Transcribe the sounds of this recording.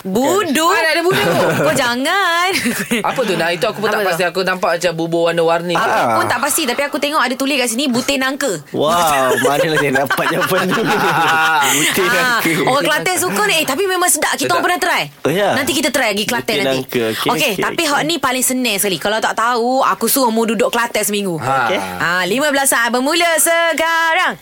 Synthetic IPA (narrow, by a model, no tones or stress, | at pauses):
budʊdadabudʊkɔd͡ʒaŋanapət̪ʊnait̪uakupunapat̪iakunampaʔmat͡ʃambubowanəwarniakupunt̪aʔpast̪it̪apiakut̪eŋɔʔadat̪ulɪhkaʔsinibut̪ɪnaŋkəwawmanəlaenapajapənu | but̪inakokakəlat̪ɛs̬ukənet̪ap̬imẽmãŋsədaʔkit̪apənaht̪əɾaj | jnant̪ikit̪at̪əɾajaɡiklat̪ɛnanikokeapiɦaʔnĩpalɪŋsənɛ̃səkalikalawt̪aʔt̪aua̰kusumududʊʔkəlat̪ɛsəmiŋɡualimãblasabəmuləsəkaɾaŋ